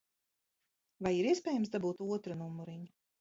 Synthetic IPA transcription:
vajiɾiɛspʲɛːjamsd̪abuːt̪uɔt̪ɾɨnumuɾiɲu

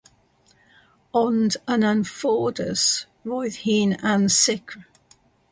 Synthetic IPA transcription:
ɔndə̃nə̃nfɔːdəs | ɹɔɪðhiːnãnsɪkʰɹ

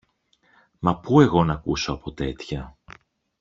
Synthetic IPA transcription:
mɐpue̞ɣo̞nɐkusoɐpo̞t̪e̞t̪çɐ

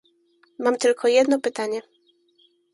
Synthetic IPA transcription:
mamt̪ɘlkʰɔjɛd̪nɔpɘt̪aɲɛ

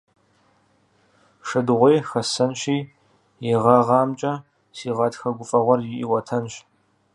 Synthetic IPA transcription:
ʂɐdʁʷejxɐsɐnɕiː | jɪʁɑʁɑːmt͡ʃʼɐ | siːʁɐtʰxɐɡʷʊfʼɐʁʷɔrjɪʔiwɐtʰɐnɕ

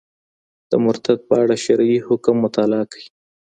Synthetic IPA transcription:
d̪̥əmʊɾt̪ad̪̚pəaɽaʃaɾjihʊkmːʊt̪ɑlɑkḁji

